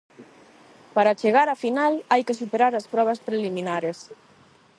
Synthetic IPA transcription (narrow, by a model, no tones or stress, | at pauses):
paɾat͡ʃeɣaɾafinalajkesupeɾaɾɐspɾɔβɐspɾelimĩnaɾes